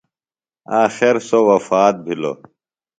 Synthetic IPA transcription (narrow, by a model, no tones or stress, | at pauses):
aːxeɾsowɐfaːt̪̚bʱilo̰ː